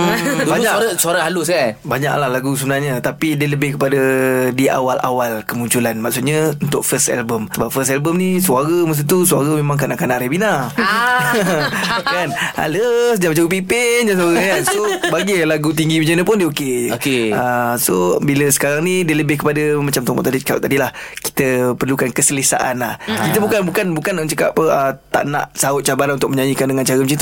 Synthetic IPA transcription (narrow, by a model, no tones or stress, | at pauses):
baɲaɾasuaɾahaluskanbaɲa̰ʔlahlaɡus̬əbənarɲət̪apidiələbɪhkəpadədiʔa̰walʔa̰walkəmuɲt͡ʃulanmaksut̪̚ɲaunt̪ʊk̚fəst̪ɛ̰lbəmsəbap̚fəsɛlbəmnisuaɾəmas̬ut̪̬usuaɾəmemãŋkənaʔkanaʔɾebina | kana̰ləsdiamət͡ʃaɡupipɪndans̬uwaɣɲasobaɡilaɡut̪̬iŋɡimət͡ʃanəpʊndiəoked͡ʒəkeəsobiləsə̥kaɾaŋnidiələbɪhkəpadəmat͡ʃamt̪ɔmɔ̰ʔt̪adika̰ʔt̪adilahki̥t̪əpərlukankəsələsa̰ʔanlahkit̪əbukanbukanbukant͡ʃəka̰pəət̪a̰ʔna̰ʔsaʊt̪̚t͡ʃabaɾanunt̪ʊk̚əɲajikandəŋant͡ʃaɾəmət͡ʃit̪u